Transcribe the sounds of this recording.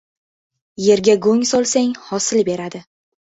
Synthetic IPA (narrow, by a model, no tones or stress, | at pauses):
je̞ɾɡʲaɡoŋʲsɒlˠsaŋhɒsɪlbe̞ɾad̪ɪ